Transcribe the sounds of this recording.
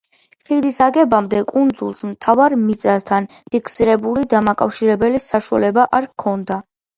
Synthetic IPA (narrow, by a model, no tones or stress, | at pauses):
χid̪isaɡɛbamd̪ɛkʼund̪zṵlˠsmt̪ʰavaɾmit̪sʼast̪ʰan | pʰikʰsiɾɛbulid̪amakʼafʃiɾɛbɛlisaʃua̰lɛbaʔaɾkʰɔnd̪a